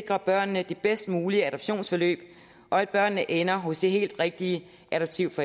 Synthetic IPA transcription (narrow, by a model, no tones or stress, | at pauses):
ɡ̥ʁɐb̥ɶɐ̰nnəd̥e̝b̥esd̥muːliəæɾɒb̥ɕo̝̰ːnsfɒ̽lø̰ːb̥ | ʔɒ̽æd̥̚b̥ɶɐ̰nːəʔenɐɦɔ̽sd̥e̝ɦe̝̰ːld̥ʁeɡ̥̚d̥iə | ʔæɾɒb̥̚t͡sʰiʊfɒ